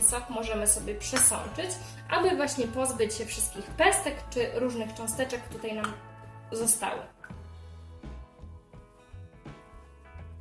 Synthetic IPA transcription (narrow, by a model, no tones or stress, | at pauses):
sɔkmɔʐɛmɘsɔbʲjɛpʂɛsɔ̰nt͡ʂɘt͡ɕ | ʔabɘvwaɕɲɛpɔzbɘt͡ɕɕɛfʂɘst̪̚kʲixpɛst̪ɛkt͡ʂɘɾuʐnɘxt͡ʂɔ̃w̃st̪ɛt͡ʂɛkt̪ut̪ajnamzɔst̪a̰wɘ̰